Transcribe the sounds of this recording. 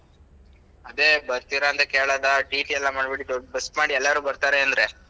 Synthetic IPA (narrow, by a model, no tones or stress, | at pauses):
ɐd̪e̞ːbɐɾt̪iːɾaːnt̪ɐkeːɭaːd̪ɐʈiːʈiɛlːamaːɖbiʈid̪ɔɖbɐsʈmaːɽiɛlːaɾuːbɐɾt̪aːɾeɐnd̪ɐɾeː